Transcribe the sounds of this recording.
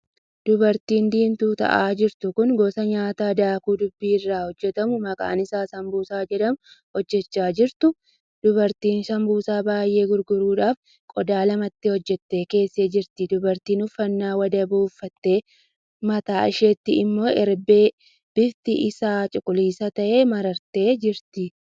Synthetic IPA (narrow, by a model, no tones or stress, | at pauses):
d̪̥ʊbɐɾt̪iːnd̪iːnt̪uːt̪ɐ̰ʔaːd͡ʒɪɾt̪ʊkʊŋɡoːsɐɲaːt̪aːd̪aːkuːd̪ʊbːiːɪrːaːhɔd͡ʒːɛt̪ɐmʊmɐkʼa̰ːnɪsaːsɐmbuːsaːd͡ʒɛᶑɐmʊhɔd͡ʒːɛt͡ʃːaːd͡ʒɪɾt̪ʊ | d̪̥ʊβɐɾt̪iːnsɐmbuːsaːbaːjʔe̞ːɡʊɾɡʊɾuːᶑaːf | kʼɔd̪aːlɐmɐt̪ːɪhɔd͡ʒːɛt̪ːe̞ːke̞ːsːeːd͡ʒɪɾt̪ɪd̪ʊbɐɾt̪iːnʊfːɐnːaːwɐd̪ɐbuːfːɐt̪ːe̞ː | mɐt̪aːɪʃeːt̪ːɪɪmːo̞ːɛɾbeː | b̥ɪft̪ɪʔɪsaːt͡ʃʼʊkʼʊliːsɐt̪ɐʔe̞ːmɐɾɐɾt̪e̞ːd͡ʒɪɾt̪ɪ